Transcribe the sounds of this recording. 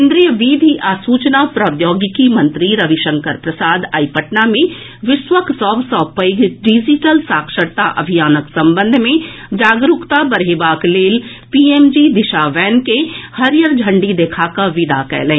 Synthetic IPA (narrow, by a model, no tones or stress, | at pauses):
kːnd̪ɾijəʋiːd̪ʱiʔaːsuːt͡ʃnapɾɐd̪joːɡkimɐ̃nt̪ɾiɾɐʋiʃə̃ŋkəɾpɾɐsaːd̪aipəʈnamẽ | ʋɪʃwəksɔːbsɔːpəɡɖid͡ʒiʈəlsaːkʃəɾt̪aʔɐ̰bʱijaːnəksɐ̃mbə̃nd̪ʱmẽ | d͡ʒaːɡɾukt̪abɐɾɦeːbaːkleːl | piːeːmd͡ʒid̪ɪʃaʋɛːnkehɐɾjəɾd͡ʒʱə̃ɳɖid̪eːkʰakaʋɪd̪akɛ̰ːlẽː